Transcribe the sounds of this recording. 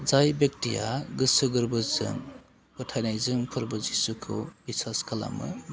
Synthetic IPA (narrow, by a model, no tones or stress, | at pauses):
zajbek̚tijaɡɯsɯɡɯɾbɯzɯ̰n | pɔtʰajnajzɯmpʰɯɾbɯzisukʰɯbisaskʰala̰mɯ̰